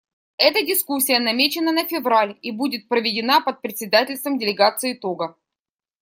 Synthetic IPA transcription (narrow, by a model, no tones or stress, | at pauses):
ɛt̪ədʲɪskusʲːɪjənɐmʲet͡ɕɪnənəfʲɪvɾalʲibudʲɪt̪̚pɾəvʲɪdʲɪnapət̪̚pɾʲɪt̪ʲsʲɪd̪atʲɪlʲst̪vəmdʲɪlʲɪɡat̪sɨɪɪt̪o̞ɡə